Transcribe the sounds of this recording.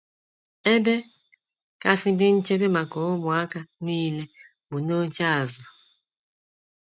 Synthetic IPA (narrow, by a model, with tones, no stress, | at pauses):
e˦be˦ | ka˦fi˦nde˦n̩˦t͡ʃe˦be˦ma˨ko˨˦mɔ˨a˦ka˦n˦iː˦le˦ | bu˨no˦t͡ʃa˦˨zɔ˨